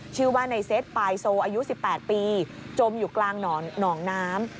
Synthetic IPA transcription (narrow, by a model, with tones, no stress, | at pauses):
t͡ɕʰɯː˥˩waː˥˩na˧jse˦˥t̪̚paː˧jsoː˧ʔaː˧ju˦˥si˨˩pːɛː˨˩t̪̚piː˧ | t͡ɕo˧mjuː˨˩klaː˧ŋnɔː˩˦nɔː˩˦ŋnaː˦˥m